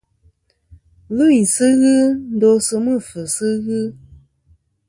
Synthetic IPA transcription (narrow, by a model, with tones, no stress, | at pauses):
lɨ˦i˨sɨ˦ɣɨ˦n̩˦do˦sɨ˧mɨ˦˨fɨ˨sɨ˦ɣɨ˦